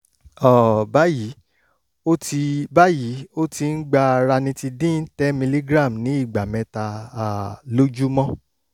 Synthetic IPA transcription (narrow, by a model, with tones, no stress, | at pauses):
ɔ˦˨ba˨˦ji˨˦ | o˦ti˧ba˦ji˨˦o˦ti˧n̩˦ɡ͡ba˦˧a˧ɾa˧nĩ˧˦ti˧dĩ˦n̩˦tɛ˦mĩ˧li˦ɡɾa˦˨m˨nĩ˨˦i˦˨ɡ͡ba˨mɛ̃˨˦ta˧a˨lo˦d͡ʒu˦mɔ̃˦